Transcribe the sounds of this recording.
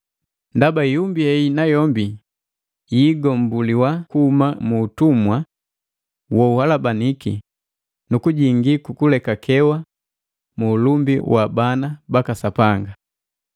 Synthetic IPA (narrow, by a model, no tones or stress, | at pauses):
ndabaijumbiɛinajɔmbi | jiːɡɔm̩buliwakuhumamuːtumwa | wɔuhalabaniki | nukuɟiŋɡikukulɛkakʰɛwa | muːlumbiwʔabanabakasapaŋɡa